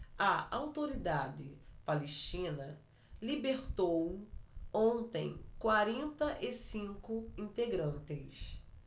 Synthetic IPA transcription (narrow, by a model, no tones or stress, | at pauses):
ɐʔawt̪oɾid̪ad̪ɪpaleʃt͡ʃĩnɐ | libeɾt̪ow | õnt̪ḛ̃j̃kwaɾẽnt̪ɐʔɪsĩŋkʊĩnt̪eɡɾɐ̃nt̪ɪs